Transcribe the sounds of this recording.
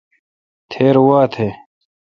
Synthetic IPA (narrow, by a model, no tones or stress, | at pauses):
t̪ʰeːɾwaːt̪ʰeː